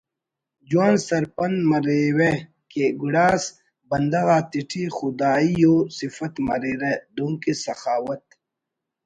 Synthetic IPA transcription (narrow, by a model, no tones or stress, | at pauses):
d͡ʑwaːnsɐɾpɐnmɐɾewe | keɡuɽaːs | bɐnd̪ɐɣaːt̪iʈʰixud̪aːijosifɐt̪mɐ̰ɾeːɾed̪ũŋkisɐxaːwɐt̪̚